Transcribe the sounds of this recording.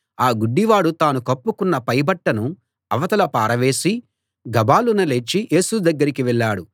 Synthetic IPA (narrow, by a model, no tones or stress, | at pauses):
aːɡuɖːiʋaːɽut̪aːnukɐpːukunːɐpɐjbɐʈːɐnu | ɐ̰ʋɐt̪ɐlɐpaːɾɐʋe̞ːsi | ɡɐbaːlunɐlet͡ʃːiʔe̞ːsud̪ɐɡːɐɾikiʋɛɭːaːɽu